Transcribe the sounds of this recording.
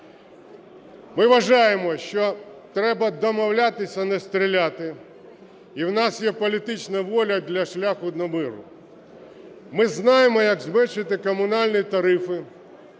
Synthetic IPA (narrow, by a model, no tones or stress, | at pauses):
mɪʋɐʒɑjemɔʃt͡ʃɔt̪ɾɛbɐd̪ɔmɔwlʲat̪ɪsʲɐnɛst̪ɾʲilʲat̪ɪ | iwnɑsjɛpɔlʲit̪ɪt͡ʃnɐʋɔlʲɐd̪lʲɐʃlʲaxʊd̪nɔmɪɾʊ̰ | mɪznɑjemɔjɐɡzmɛt͡ʃɪt̪ɪkɔmʊnɑlʲnʲit̪ɐɾɪfɪ